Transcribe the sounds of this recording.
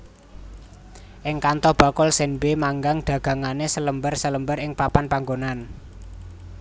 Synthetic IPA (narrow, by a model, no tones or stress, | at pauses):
ʔɪŋkant̪ɔhb̥a̤kɔlsɛnbemaŋɡaŋɖ̪̥ä̤ɡ̥ä̤ŋanesələmbərsələmbəɾɪŋpapanpaŋɡonan